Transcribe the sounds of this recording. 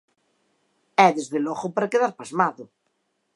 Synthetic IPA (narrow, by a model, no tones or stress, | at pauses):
ɛðezðelɔɣopaɾakeðaɾpazmaðʊ